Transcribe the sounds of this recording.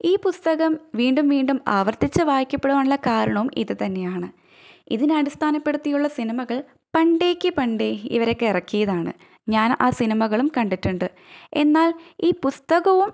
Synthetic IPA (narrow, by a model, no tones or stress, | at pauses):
iːpust̪ɐɣɐmʋiːɳɖumʋiːɳɖumaːʋɐrt̪ːit͡ɕːɨʋaːjikʲːɐpːe̞ɽuʋaːɳuɭːɐkaːɾɐɳɐʋumʔḭðɨt̪ɐnːe̞jaːɳɨ | iðinɐɽist̪ʰaːnɐpːe̞ɽut̪ːijuɭːɐsinimɐɣɐɭ | pɐɳɖe̞ːkʲːɨpɐɳɖeḭʋɐɾo̞kːeirɐkːijɐðaːɳɨ̰ | ɲaːnaːsinimɐɣɐɭumkɐɳɖitːuɳɖɨ | e̞̰nːaːliːpust̪ɐɣɐʋum